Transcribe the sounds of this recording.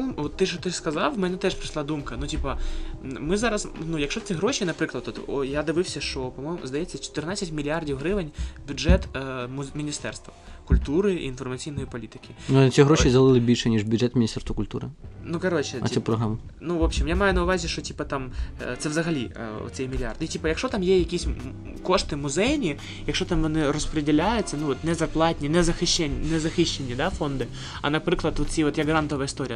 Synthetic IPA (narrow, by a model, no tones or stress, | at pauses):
ɔmʋɔt̪ːɪʃɔt̪ɪskɐzɑwmɛnɛt̪ɛʂpɾɨʃlˠad̪umkɐnutʲipɐ | mɨɪzɑɾɐsnujɐkʃt͡ʃɔt̪sɛɦɾoɕʲinɐpɾɪklˠɐd̪ɔt̪ɔjad̪ɪʋɪwsʲɐʂt͡ʃɔpɐmɔjmʊ̰zd̪ɐjɛt͡sʲːɐt͡ʃɔ̥t̪ɪrnat͡sʲːɐtʲmʲilʲiardʲiwɦɾɪʋɪnʲbʲʊdʐɛt̪ːmmʲinʲist̪ɛrst̪ʋɐkʊlʲt̪uɾɪ̰ːnfɔrmɐt͡sʲijnɔjipɐlʲit̪ɪ̥kʲɪnt͡sʲiɦɾoʃʲizɐlˠɪlˠɪbʲilʲʃɛnʲiʐbʲʊdʐɛt̪mʲnʲist̪ɛrst̪ʋɐkʊlʲt̪ṵɾɨ̰nukɐɾot͡ɕɪɐ̰sʲɛpɾɔɦɾamɐ | nuvopɕʲimjamajʊnɐʊʋazʲɪʂt͡ʃɔtʲipɐt̪amt̪sɛvzɐɣɐlʲḭɔ̰t̪sʲɛjmʲɪlʲɪard̪itʲipɐjɐkʃɔt̪amjejɐkʲisʲ | koʂt̪ɪmʊzɛjnʲi | jɐkʂot̪amʋɔnɪɾɔspɾɪdʲɪlʲajʊtt͡sʲːɐnuʋɔt̪nɛzɐrplˠɑtʲnʲinɛzɐxɪɕːɛnʲnɛzɐxɪɕːenʲːid̪afond̪ɪ | ɐ̰nɐpɾɪklˠɐt̪ʋɔt̪t͡sʲiʋɔt̪jɐɡɾant̪ɔʋɐɪst̪oɾʲɪj